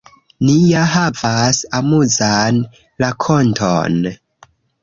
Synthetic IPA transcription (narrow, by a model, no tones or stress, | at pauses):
nijaɦavasamuzan | lakʰontʰo̰n